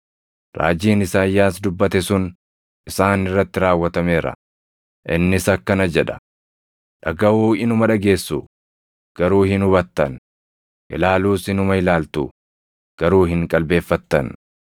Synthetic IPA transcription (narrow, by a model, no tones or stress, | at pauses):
ɾa̰ːd͡ʒiːnɪsaːjːaːsd̪ʊbːɐt̪ɛsʊn | ɪsaːnɪrːɐt̪ːɪɾaːwːɐt̪ɐme̞ːɾɐ̰ | ʔɪnːɪsɐkːɐnɐd͡ʒɛᶑɐ̥̰ | ᶑɐɡɐwuːɪnʊmɐᶑɐɡe̞ːsːu | ɡ̥ɐɾuːhɪnʊβɐt̪ːɐn | ʔɪ̰laːluːsɪnʊmɐɪlaːlt̪u | ɡ̥ɐɾuːɦɪŋkʼɐlbe̞ːfːɐt̪ːɐ̰n